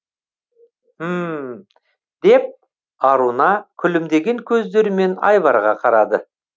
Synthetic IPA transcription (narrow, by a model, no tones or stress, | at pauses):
m | d̪̥e̞p̚ | ɑɾunɑkʲʰʏlɪmd̪e̞ɡʲe̞ŋkʲʰɵzd̪e̞ɾɪme̞nɑ̰jvɑɾʁɑqʰɑɾɑd̪ə